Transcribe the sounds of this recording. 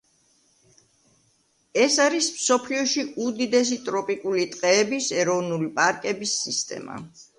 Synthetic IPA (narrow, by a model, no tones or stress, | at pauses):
ɛsaɾismsɔpʰliɔʃiud̪id̪ɛs̬it̪ʼɾɔpʼikʼulit̪ʼqʼɛːbisɛɾɔvnulipʼaɾkʼɛbisːist̪ʼɛ̰ma̰